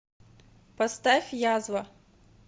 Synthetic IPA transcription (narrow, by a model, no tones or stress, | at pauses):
pɐst̪ɛxjɑzwɐ